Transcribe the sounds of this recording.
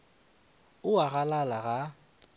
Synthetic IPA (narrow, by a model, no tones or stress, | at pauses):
ʊaɣalalaɣa